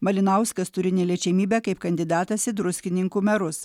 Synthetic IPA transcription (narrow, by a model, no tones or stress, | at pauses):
mɐlʲɪnɐʊskɐst̪ʊɾʲɪnʲɛlʲeɛt͡ʃʲɛmʲiːbʲæːkɐɪpkɐnʲd̪ʲɪd̪ɑːt̪ɐsɪd̪ɾʊsʲkʲɪnʲɪŋkuːmʲɛɾʊs